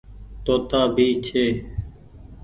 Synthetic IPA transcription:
t̪oːt̪aːbʱiːt͡ʃʰeː

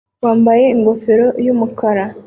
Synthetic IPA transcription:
waːmbaje̞iŋɡo̞feɾo̞jumukaɾa

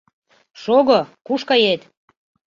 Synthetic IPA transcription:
ʃoɣokuʃkɑjet̪

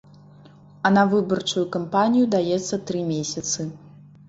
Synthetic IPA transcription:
ɐnɐvɨbɐrt͡ʂujukampanʲijud̪ajɛt̪sːɐt̪ɾɨmʲesʲɐt̪sɨ

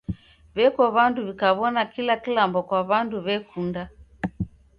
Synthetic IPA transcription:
βɛkɔβanduβikaβɔnakilakilambɔkwaβanduβɛkunda

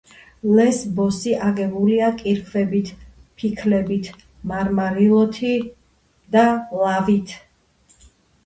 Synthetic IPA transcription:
lɛsbɔsiʔaɡɛbuliakʼiɾkʰvɛbit̪ʰpʰikʰlɛbit̪ʰ | maɾmaɾilˠɔt̪ʰi | d̪alavit̪ʰ

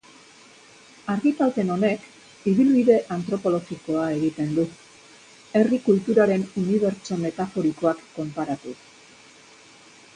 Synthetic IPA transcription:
aɾɣit̪alt̪e̞no̞ne̞k | iβilβiðe̞ʔant̪ɾo̞po̞lo̞ɣiko̞ae̞ɣ̞it̪e̞nd̪u | e̞rikult̪uɾaɾe̞nuniβe̞ɾt͡ʃo̞me̞t̪afo̞ɾiko̞akːo̞mpaɾat̪u

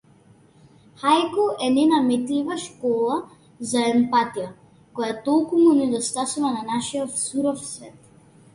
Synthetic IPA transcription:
xajkɔʔɛnɛnamɛt̪livaʃkɔlˠa | zaɛmpat̪ija | kɔjat̪ɔlˠkumunɛd̪ɔst̪asuvananaʃijɔfsuɾɔfsvɛt̪

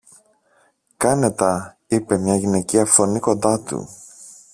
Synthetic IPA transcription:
kɐne̞t̪ɐ | ipe̞mɲɐʝine̞ciɐfo̞niko̞nd̪ɐt̪ṵ

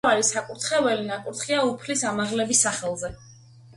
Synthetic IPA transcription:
aɾisakʼuɾt̪ʰχɛvɛlinakʼuɾt̪χiaupʰlisamaʁlɛbisːaχɛlˠzɛ

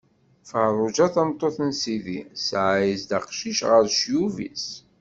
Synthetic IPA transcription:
fərˤʊd͡ʒæθɑmt̪ˤːoθnsiðḭsʕjisd̪aqʃiʃʁəɾʃjuvḭs

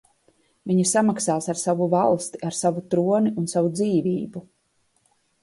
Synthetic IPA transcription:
viɲisamaksaːsaɾsavuvalˠst̪iaɾsavut̪ɾuɔniunsavud̪ziːviːbu

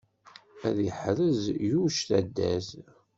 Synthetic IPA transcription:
æ̰ðjəħɾəzjuʃθæd̪ːæz

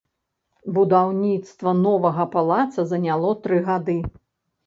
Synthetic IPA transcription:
bud̪awnʲit̪st̪vɐnɔvɐɣɐpalˠat̪sɐzɐnʲalˠɔt̪ɾɨɣad̪ɨ

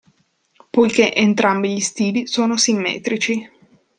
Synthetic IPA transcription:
pojkeʔent̪ɾambiʎist̪iːlisoːnosimːɛ̰ːt̪ɾit͡ʃi

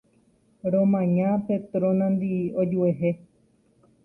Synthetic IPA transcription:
ɾõmãɲãpet̪ɾõnãnd̪iod͡ʒueɦe

